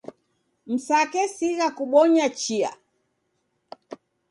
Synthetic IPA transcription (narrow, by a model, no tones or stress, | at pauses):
m̩sakɛsiɣakuɓɔɲat͡ʃia̰